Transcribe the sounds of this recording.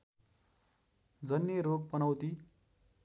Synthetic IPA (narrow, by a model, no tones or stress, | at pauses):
d͡zʌnjeɾoɡ̚pʌnʌwt̪i